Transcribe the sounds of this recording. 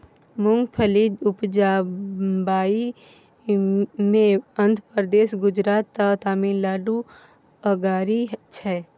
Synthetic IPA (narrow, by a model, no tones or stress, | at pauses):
mʊŋɡpʰəlid̪ʊpd͡ʒa | baːi | mẽənd̪ʱəpɾəd̪eːʃɡʊd͡ʒɾaːt̪ːat̪aːmiːlaːɖu | əɡaːɾit͡ʃʰɛː